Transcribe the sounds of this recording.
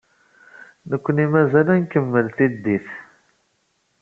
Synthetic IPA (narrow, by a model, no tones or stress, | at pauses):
nəkʷːənimæzælænkəmːəlt̪id̪iθ